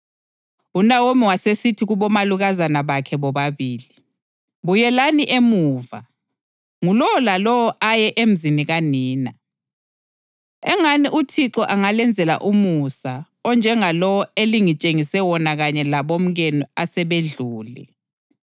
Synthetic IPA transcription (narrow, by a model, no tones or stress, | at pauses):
unawomiwasesitʰiɣuβɔmaluɣazanaβakʰɛβɔβaβiːli | βujɛlaniʔemuːva̰ | ŋulɔwɔlalɔwɔʔajɛʔem̩ziniɣaniːna | ɛŋaniʔutʰiǁɔʔaŋalɛnd͡zʱɛla̰ʔumusa | ɔnd͡ʒʱɛŋalɔwɔeliŋit͡ʃʼeŋisɛwɔnaɣaɲɛlaβom̩ɣɛnɔasɛβeɮuːlɛ̰